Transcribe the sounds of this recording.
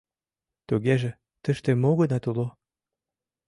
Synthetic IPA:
t̪uɣeʒĕ | t̪ə̆ʃt̪emoɣənɑt̪ulo

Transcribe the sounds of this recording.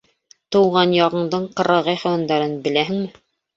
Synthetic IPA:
t̪ɤ̆wʁɑnjɑʁɤ̆ɴd̪ɤɴqɤ̆ɾɑʁɤjχæwɑnd̪ɑɾɤnbɘ̆læɦɘ̆ŋmɘ

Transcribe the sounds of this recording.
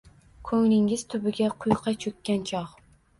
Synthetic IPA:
kʰɵŋnɪŋɪz̥t̪ʰʊbɪɡʲaqʰʊjqʰɑt͡ʃʰɵkʲːant͡ʃʰɒʁ

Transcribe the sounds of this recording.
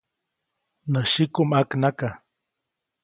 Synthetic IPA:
nəʃikumaknaka

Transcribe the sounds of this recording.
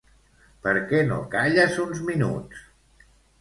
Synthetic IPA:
pəɾkɛno̰kaʎəzunzminṵtt͡s

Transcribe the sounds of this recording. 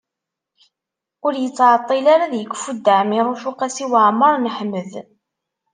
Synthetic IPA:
ʊɾjət͡sːʕət̪ˤːilaɾaðjəɡʷfud̪ːəʕmiɾˤoʃuqæsiwaʕməɾˤnəħmːəð

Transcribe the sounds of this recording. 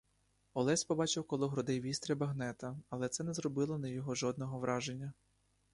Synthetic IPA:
ɔlˠɛsʲpɔbɑt͡ʃɪwkɔlˠʊɦɾɔd̪ɛjʋʲist̪ɾʲɐbɐɦnɛt̪ɐɐlˠɛt̪sɛnɛzɾɔbɪlˠɔnɐjɔɦɔʒɔd̪̚nɔɦɔʋɾʔɑʒenʲːɐ

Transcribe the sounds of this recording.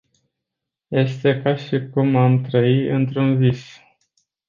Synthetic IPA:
je̞st̪e̞kaʃikumamt̪ɾəiɨnt̪ɾunvis

